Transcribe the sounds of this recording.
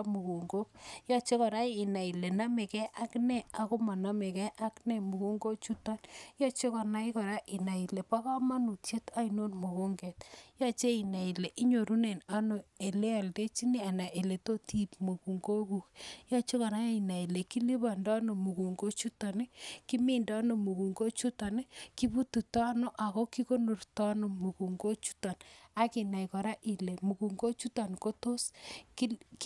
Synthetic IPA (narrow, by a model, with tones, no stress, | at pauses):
mu˨ku˨ŋɡo˦k̚ja˦t͡ʃe˦kɔ˨ɾa˦ɪ˨na˨i˨le˨na˦me˨kɛ˦ʔa˦knɛ˦a˨ko˦ma˨na˦me˨kɛ˦ʔa˦knɛ˦mu˨ku˦ŋɡo˦t͡ʃu˦ta˦nja˦t͡ʃe˦kɔ˨na˦i˦kɔ˨ɾa˦ʔi˨na˨i˨lɛ˨pa˦ka˦ma˦nu˨t͡ʃje˦ta˦i˨no˦nmu˨ko˦ŋɡɛ˨tja˦t͡ʃe˦i˨na˨i˨lɛ˨ʔi˦ɲo˨ɾu˦ne˨na˦no˨e˨le˦a˨lde˦t͡ʃi˦ni˦a˨na˨ʔe˨le˨to˦ti˨pmu˨ku˨ŋɡo˦ku˨kja˦t͡ʃo˦kɔ˨ɾa˦i˨na˨i˨le˨ki˦li˦βa˨ndɔ˦no˨mu˨ku˨ŋɡo˦t͡ʃu˦tɔ˨ne˦ki˦mi˦nda˦no˨mu˨ku˨ŋɡo˦t͡ʃu˦tɔ˨n˦ki˦bu˦tu˨tɔ˦no˦ʔa˨ko˦ki˦ko˦nu˨rtɔ˦no˨mu˨ku˨ŋɡo˦t͡ʃu̥˦tɔ˨na˦ki˨na˨jkɔ˨ɾa˦ʔi˨le˨mu˨ku˨ŋɡo˦t͡ʃu˦tɔ˨nko˦to˦ski˦